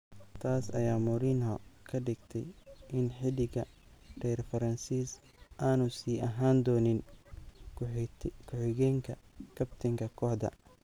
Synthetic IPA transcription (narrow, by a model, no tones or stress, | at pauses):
t̪ʰaːsɐ̰jaːmʊɾiːnɔkʰɐɖɪɡt̪ʰɛ̰jʔɪnħɪlɪɣɐ | ɖ̥ɛːrfɐɾɐnsiːs | ʔaːnʊsiːʔɐɦaːnd̪ɔːnɪn | kʰʊħɪɣɛːŋkʰɐkʰɐbt̪ʰɐŋkʰɐkʰɔːħd̪ɐ̰